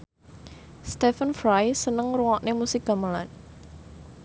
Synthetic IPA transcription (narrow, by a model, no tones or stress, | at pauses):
st̪ɛfənfɾajsənəŋruŋɔʔnemusɪk̚d̪̥a̤mala̰n